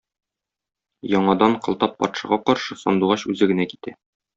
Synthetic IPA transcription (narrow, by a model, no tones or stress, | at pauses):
jɒɴɑd̪ɑɴqɤ̆lˠt̪ɑpːɒ̰t̪ʃɑ̰ʁɑqɒɾʃɤsɒ̰nd̪uʁɑɕʉzɘɡɘ̆næki̥t̪æ